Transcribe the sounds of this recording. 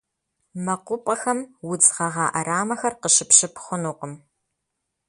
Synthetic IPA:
mɐqʷʊpʼɐxɐmwʊd͡zʁɐʁɑːʔɐɾaːmɐxɐrqəʃɪpɕɪpχʷʊnuːqəm

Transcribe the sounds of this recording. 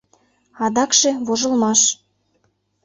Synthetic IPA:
ɑd̪ɑkʃeβoʒə̆lmɑʃ

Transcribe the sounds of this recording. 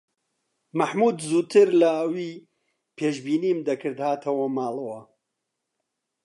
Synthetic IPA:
mɐħmuːd̪zuːt̪ʰɨɾlɐːwiː | pʰeːʃbiːniːmd̪ɐkʰɨɾd̪haːt̪ʰɐwɐmaːlˠɨwɐ

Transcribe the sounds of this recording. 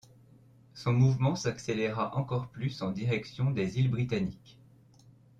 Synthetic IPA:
sɔ̃muvmɑ̃sakseleʁaʔɑ̃kɔʁplysɑ̃d̪iʁɛksjɔ̃d̪ezilbʁit̪anik

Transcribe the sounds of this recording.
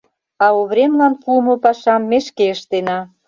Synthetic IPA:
ɑoβɾemlɑnkumopɑʃɑmːeʃkeəʃt̪enɑ

